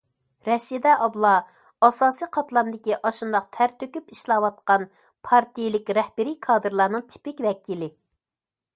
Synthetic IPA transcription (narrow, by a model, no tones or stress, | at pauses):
ɾɛʃid̪ɛʔɑblˠɑ | ɑsɑːsiqʰɑt̪lˠɑmd̪ɪkʲiʔɑʃund̪ɑq̚t̪ʰæɾt̪økʲypiʃlˠɑwɑt̪̚qɑn | pʰɑɾt̪ʰijlɪkʲɾɛhbɪɾikʰɑːd̪ɨɾlˠɑːɾnɨŋt̪ʰi̥pɪkʲvɛkʲʰilɪ